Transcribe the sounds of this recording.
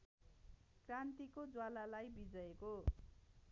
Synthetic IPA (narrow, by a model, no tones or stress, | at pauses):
krant̪ikod͡zwalalajbid͡zʌeko